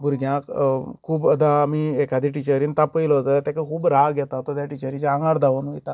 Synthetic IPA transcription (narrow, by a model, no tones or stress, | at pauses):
bʱuɾɡʱjãkkʰuːbəd̪ãmiekad̪iʈit͡ɕəɾiːnt̪apəjlɔəd͡zalat̪akəkʰuːbɾaɡjɛt̪at̪ɔt̪ʰjaʈit͡ɕəɾĩd͡ʑãŋɡaɽd̪aʋənujt̪a